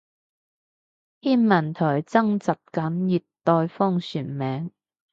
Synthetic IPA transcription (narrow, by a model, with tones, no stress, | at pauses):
hiː˥nmɐ˨˩nt̪ʰɔː˨˩jt͡sɐ˥ŋt͡sɐ˨p̚kɐ˨˥njiː˨tt̪ɔː˧jfɔː˥ŋsyː˨˩nmɛː˨˥ŋ